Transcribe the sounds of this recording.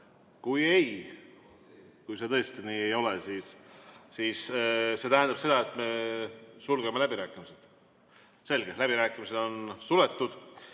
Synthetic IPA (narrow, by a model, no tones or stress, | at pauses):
kujej | kujse̞t̪ɤ̞est̪iniːejo̞lesisː | iːsse̞t̪æɦænd̪ɑb̥se̞d̪̥ɑe̞t̪ːˑme̞sulɡeme̞læbiɾæːkːˑimise̞d̪̥ | se̞lɡ̥e̞læb̥iɾæːkːˑimise̞d̪o̞nsule̞t̪ːud̪̥